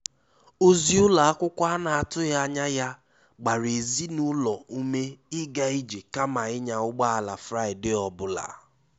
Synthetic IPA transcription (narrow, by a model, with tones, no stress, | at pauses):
o˦zi˦ʊ˦la˨a˦kʷʊ˦kʷa˦na˨a˨tʊ˦ja˦ɲa˦ja˦ | ɡ͡ba˨ɾe˨zi˦nʊ˦lɔ˨u˦me˦ɪ˦ɡa˦i˦d͡ʒe˨ka˦ma˨ɪ˦ɲa˨ʊ˦ɡ͡ba˦a˨la˨fɾa˦ɪ˨dɪ˦ɔ˨bʊ˦la̰˨